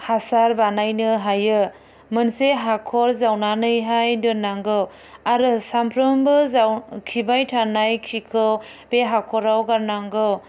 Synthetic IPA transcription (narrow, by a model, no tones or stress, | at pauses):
hasaɾbanajnɯɦajɯ | mɯnseɦakʰɔɾzawnanɯjɦajdɯnaŋɡɯw | aɾɯsampʰɾɯmbɯzawkʰibajtʰanajkʰikʰɯw | b̥eɦakʰɔɾawɡaɾnaŋɡɯw